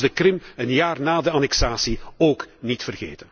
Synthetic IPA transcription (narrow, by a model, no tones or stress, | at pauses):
dəkrɪmənjaːrnaːdəanɛksaːsioːknitfərɣḛːtən